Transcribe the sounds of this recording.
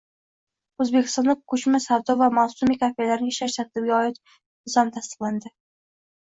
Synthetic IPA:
ɵzbekʲʰɪ̥st̪ɑnlɪk̚ʲkʰːɵt͡ʃmasaɾd̪ɒvamasumikʰʲafelaɾnɪʃaʃsat̪ʰɪb̚ɡʲaɒɪt̪ | ɪzɒmt̪ʰast̪ɨ̥qlˠand̪ɪ

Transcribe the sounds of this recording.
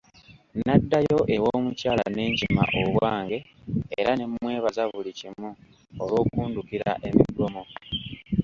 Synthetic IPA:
nadːajo̞ʔe̞wo̞ːmucaːla̰ne̞ːɲcima̰ʔoβwaːŋɡe̞ːɾane̞mwe̞ːβazavulicimu | olwo̞ːkuːndukiɾa̰ʔe̞mḭdwomo

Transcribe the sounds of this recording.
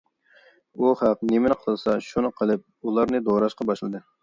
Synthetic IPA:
uχæq̚nemɪnɨqʰəlˠɨsɑʃunɨqʰəlˠɨp̚ulˠɑɾnɨd̪oɾɑʃqɑbɑʃlˠɨd̪ɨ

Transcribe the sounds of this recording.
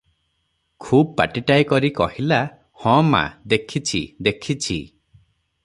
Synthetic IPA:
kʰubpa̰ʈiʈajkɔɾikɔhila | hɔ̃ma̰d̪ekʰit͡ʃʰḭd̪ekʰit͡ʃʰḭ

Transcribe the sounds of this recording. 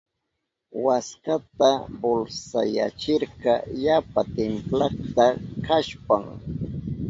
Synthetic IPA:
waskat̪abolsa̰ja̰t͡ʃɪɾqɑjapat̪emplɑχt̪akaʃpaŋ

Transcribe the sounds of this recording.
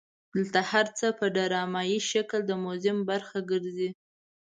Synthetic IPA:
d̪̥əlt̪ahaɾt͡səpəɖaɾɑmɑjiʃakld̪əmʊzɪmbaɾxaɡəɾzi

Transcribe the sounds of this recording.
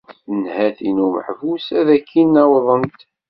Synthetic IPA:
θənhæθinumə̰ħvusæðækʰːinːæwðˤənt̪

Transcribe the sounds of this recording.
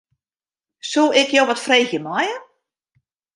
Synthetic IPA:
sulˠɪkjowʋɔtfreːxjəmɔjə

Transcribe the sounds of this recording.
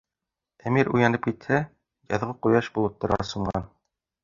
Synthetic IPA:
æmiɾujɑnɤp̚kit̪hæ | jɑ̰ðʁɤqujɑʃbulˠɤ̆p̚t̪ːɤ̆ɾʁɑsŭɴɢɑ̰n

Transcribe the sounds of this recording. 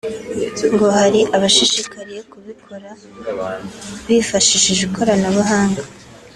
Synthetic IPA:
ŋɡo̞haɾiʔaβaʃiʃikʰaɾijokuβikʰoɾa | βifaʃiʃiʒukʰo̞ɾanaβuɦaːŋɡa

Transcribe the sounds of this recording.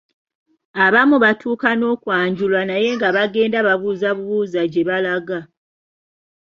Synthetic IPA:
aβamuβatʰuːkano̞ːkwaːɲɟulwanaje̞ŋɡaβaɡe̞ːndaβaβuːzaβuβuːzaɟe̞βalaɡa

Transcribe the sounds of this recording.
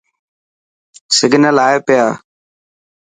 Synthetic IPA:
sɪɡnəlaːeːpɪjaː

